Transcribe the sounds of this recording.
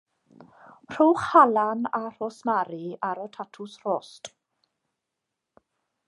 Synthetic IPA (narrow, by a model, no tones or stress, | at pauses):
r̥uːχhalanar̥osmaɾiaɾətʰatʰʊsr̥ɔːst